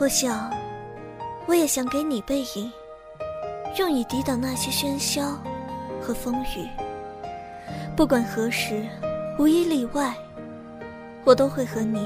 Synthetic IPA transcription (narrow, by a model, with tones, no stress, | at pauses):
xɔ˥˩ɕjɑ˨˩˦ŋ | wɔ˧˥jɛ˨˩ɕjɑ˨˩˦ŋke˧˥ɪni˨˩pe˥˩ɪi˨˩ŋ | ɻʊ˥˩ŋi˨˩t̪i˧˥t̪ɑ˨˩ʊna˥˩ɕjɛ˥ɕɥɛ˥nɕjɑ˥ʊxɤ˧˥fɤ˥ŋy˨˩˦ | pu˥˩k̬wa˨˩nxɤ˧˥ʂɻ̩˧˥u˧˥i˥li˥˩wa˥˩ɪ | wɔ˨˩t̪o˥ʊxwe˥˩ɪxɤ˧˥ni˨˩˦